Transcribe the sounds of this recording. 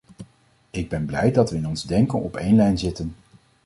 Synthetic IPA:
ɪɡ̚bɛnblɛjdɑtʋəɪnɔnzdɛŋkənɔ̰pejnlɛjnzɪtən

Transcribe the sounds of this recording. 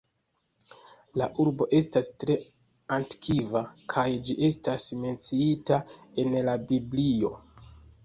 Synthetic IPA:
laʔuɾbo̞ʔe̞stastɾe̞ | anti̥kʰivakʰajd͡ʒiʔe̞stasme̞nt͡siitae̞nlabiblio̞

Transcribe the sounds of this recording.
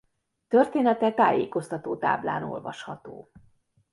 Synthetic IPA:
t̪ørt̪eːnɛt̪ɛt̪a̰ːjeːko̞st̪ɒt̪oːt̪a̰ːbla̰ːno̞̰lvɒ̰ʃhɒt̪oː

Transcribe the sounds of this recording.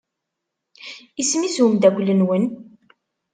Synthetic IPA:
ismizumd̪ækʷlənwən

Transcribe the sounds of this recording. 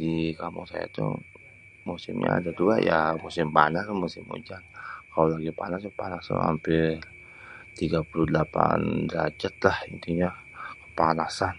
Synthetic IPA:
dikamʊ̰ŋsaja̰t̪ṵ | musɪmɲa̰a̰dat̪uɡa̰jamusɪmbanasmusɪmṵd͡ʒankalolaɡipanaspanasṵɦa̰mpɪ | t̪iɡapuludəlapa̰ndɾad͡ʒat̪̚lahənt̪iɲa | kə̥panasan

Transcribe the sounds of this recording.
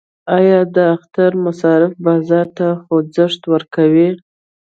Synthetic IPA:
ɑjɑd̪əaxt̪aɾmasɑɾɪfbɑzɑɾt̪axod͡zəʂt̪wəɾkawi

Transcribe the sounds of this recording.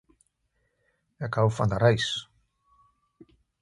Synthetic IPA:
akawfand̪aɾajs

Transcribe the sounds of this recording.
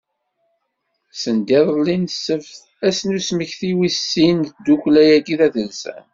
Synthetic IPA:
sənd̪iðˤəlːinsəvθ | æsnusməçθiwisːind̪uklæjæɡiðæθəlsæ̰n

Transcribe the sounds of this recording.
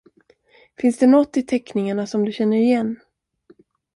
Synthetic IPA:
fɪnsd̪ɛnɔt̪ːɪt̪ʰɛknɪŋaɳasɔmd̪ɵɕɛnːəɾɪjɛnː

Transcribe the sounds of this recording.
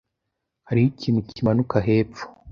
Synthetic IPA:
haɾijicinucʰimanukaɦe̞ːpp͡fo̥

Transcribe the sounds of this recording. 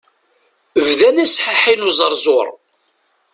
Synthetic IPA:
əvðænæsħaħinuzˤəɾˤzˤoɾˤ

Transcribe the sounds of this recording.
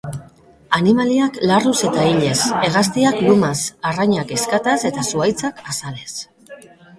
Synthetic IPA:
animaliaklaruse̞t̪aiʎe̞se̞ɣast̪iaklumasaraɲake̞skat̪ase̞t̪asuajt͡sakasale̞s

